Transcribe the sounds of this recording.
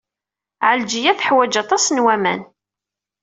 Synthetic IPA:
ʕəld͡ʒijæθəħwæd͡ʒɑt̪ˤɑsnwæmæ̰n

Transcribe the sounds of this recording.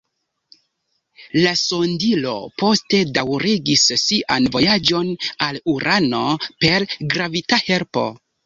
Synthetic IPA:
laso̞ndilo̞̰po̞ste̞dawɾiɡissiʔanvo̞jad͡ʒo̞naluɾʔano̞pe̞ɾɡɾavitahe̞ɾpo̰

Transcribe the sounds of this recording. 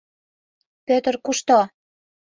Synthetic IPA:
pøt̪ərkuʃt̪o

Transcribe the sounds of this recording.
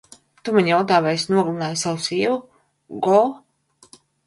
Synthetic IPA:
t̪umaɲjawt̪aːvɛsnuɔɡunaːjsawusiːvu | ɡɔlˠ

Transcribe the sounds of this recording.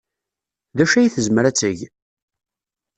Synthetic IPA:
ðæʃæjiθəzməɾæt͡sːəʝ

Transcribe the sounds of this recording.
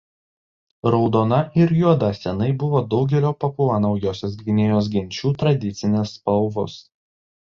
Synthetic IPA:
ɾɒʊd̪oːnɐʔɪɾjuɔd̪ɐsʲɛnɐɪbʊʋoːd̪ɒʊɡʲɛlʲoːpɐpuɐnɐʊjoːsʲoːs̬ɡʲɪnʲeːjoːs̬ɡʲɪnʲt͡ʃʲuːt̪ɾɐd̪ʲɪt̪sʲɪnʲɪsːpɐlˠʋʊs

